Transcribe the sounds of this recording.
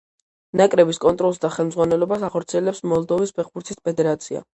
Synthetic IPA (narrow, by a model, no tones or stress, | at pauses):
nakʼɾɛbiskʼɔnt̪ʼɾɔlˠs̬d̪aχɛlˠmd̪zʁwanɛlɔbasaχɔɾt̪sʰiɛlɛpsmɔlˠd̪ɔvispʰɛχbuɾt̪ʰispʰɛd̪ɛɾat̪sʰia̰